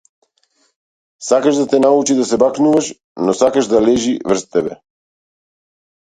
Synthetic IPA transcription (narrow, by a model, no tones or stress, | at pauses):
sakaʒd̪at̪ɛnaut͡ʃid̪asɛbaknuvaʃ | nɔsakaʒd̪alɛʒivr̩st̪ːɛbɛ